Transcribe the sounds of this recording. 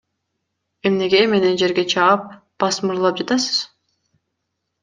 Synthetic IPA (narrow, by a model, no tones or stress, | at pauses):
e̞mne̞ɡe̞me̞ne̞nd͡ʒe̞ɾɡʲe̞t͡ʃʰɑɑp̚ | b̥ɑsmɯɾlˠɑp̚d͡ʒɑt̪ɑsɯ̥z̥